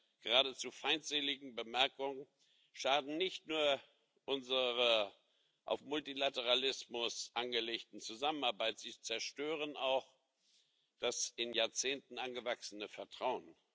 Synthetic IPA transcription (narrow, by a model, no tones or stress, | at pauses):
ɡ̥əʁaːdət͡sufaɪntz̥eːlɪɡŋ̩bəmɛɐkʊŋən | ʃaːdn̩nɪçtnuːɐ | ʔʊnzəʁə | ʔa̰ʊfmʊltilatəʁalɪsmʊsʔanɡəleːktn̩t͡suzamənaɐbaɪtz̥iːt͡sɛɐʃtøːʁ̞ənaʊx | d̥asɪnjaːɐt͡seːntn̩ʔanɡəvaksənəfɛɐtʁ̥aʊən